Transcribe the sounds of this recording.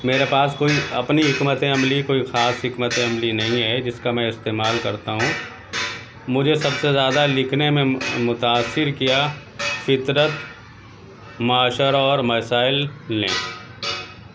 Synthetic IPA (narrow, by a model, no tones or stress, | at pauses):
meːɾepaːskoːiɐpniɦɪkmət̪ẽɐmlikoːixaːsɦɪkmət̪ẽɐmlinɐɦĩɦɛd͡ʒɪskamɛ̃ɪst̪eːmaːlkɐɾt̪aɦũː | mʊd͡ʒʱesɐbsezjaːd̪alɪkʰnemẽmʊt̪aːsːɪɾkija | fɪt̪ɾət̪ | maːʃəɾɔːɾmɐsaːɪlːḛ̃ː